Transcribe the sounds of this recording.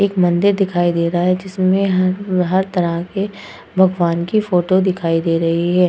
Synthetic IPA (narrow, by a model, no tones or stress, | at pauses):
eːkmɐ̃nd̪ɪɾd̪ɪkʰaːid̪eːɾɐɦaɦɛd͡ʒɪsmẽɦɦɐɾt̪ɐɾəɦke | bʱɐɡʋaːnkifoːʈod̪ɪkʰaːid̪eːɾɐɦiɦɛː